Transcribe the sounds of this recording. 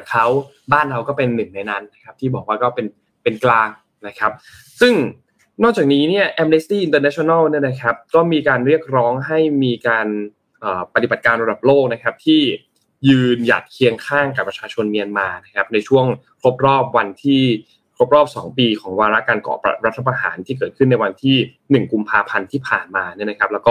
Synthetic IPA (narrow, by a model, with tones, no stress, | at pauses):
a˨˩kʰa˦˥w | baː˥˩nɾa˧wkɔː˥˩pe˧nːɯ˨˩ŋna˧jna˦˥nːa˦˥kʰa˦˥p̚t̪ʰiː˥˩bɔː˨˩k̚waː˥˩kɔː˥˩pe˧n | pe˧nklaː˧ŋ | na˦˥kʰa˦˥p̚ | sɯ˥˩ŋ | nɔː˥˩k̚t͡ɕaː˨˩k̚niː˦˥ni˥˩ɐʔɛ˧˥mne˦˥st̪iː˥˩ʔi˧nt̪ɤː˧na˦˥t͡ɕʰːna˥˩wni˥˩ɐna˦˥kʰa˦˥p̚kɔː˥˩miː˧kaː˧nɾi˥˩ək̚ɾɔː˦˥ŋɦa˥˩jmiː˧kaː˧n | ʔɤː˨˩pa˧t̪i˨˩ba˨˩t̪̚kaː˧nɾa˧da˨˩p̚loː˥˩k̚na˦˥kʰa˦˥p̚t̪ʰiː˥˩ | jɯː˧nja̰˨˩t̪̚kʰi˧əŋkʰaː˥˩ŋka˨˩pːɾa˧t͡ɕʰaː˧t͡ɕʰo˧nmi˧ənmaː˧na˦˥kʰa˦˥p̚na˧jt͡ɕʰu˥˩əŋkʰɾo˦˥p̚ɾɔː˥˩p̚wa˧nt̪ʰiː˥˩ | kʰɾo˦˥p̚ɾɔː˥˩p̚sɔ̰ː˩˦ŋpiː˧kʰɔː˩˦ŋwaː˧ɾa˦˥kaː˧nkɔ̰ː˨˩pa̰˨˧ɾa˦˥t̪ʰːa˧p̬a˧ɦa̰ː˩˦nt̪ʰiː˥˩k̬ɤː˨˩ɯ˥˩nːa˧jwa˧nt̪ʰiː˥˩ | nɯ˨˩ŋku˧mpʰaː˧pʰa˧nt̪ʰiː˥˩pʰaː˨˩nmaː˧ni˥˩ɐna˦kʰa˦˥plːwkɔː˥˩